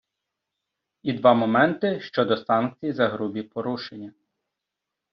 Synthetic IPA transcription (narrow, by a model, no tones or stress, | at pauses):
id̪ʋɑmɔmɛnt̪ɪʃt͡ʃɔd̪ɔsɑnk̚t͡sʲijzɐɦɾubʲipɔɾuʃenʲːɐ